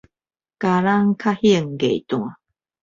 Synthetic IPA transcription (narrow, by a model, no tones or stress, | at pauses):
kaɾaŋkʰahiəŋɡejt̪uŋa